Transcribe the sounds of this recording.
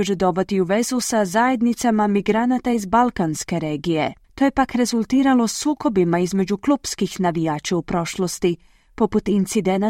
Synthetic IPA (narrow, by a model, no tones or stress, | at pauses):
ud͡ʒed̪o̞bot̪iuʋe̞zusazaje̞d̪nit̪samamiɡɾanat̪aizbalˠkanske̞ɾe̞ːɡije̞ | t̪o̞je̞pakɾe̞zulˠt̪iːɾalˠo̞suːko̞bimaizme̞d͡ʑuklˠupskixnaʋijaːt͡ʃaupɾo̞ʃlˠo̞st̪i | po̞put̪int̪sid̪ena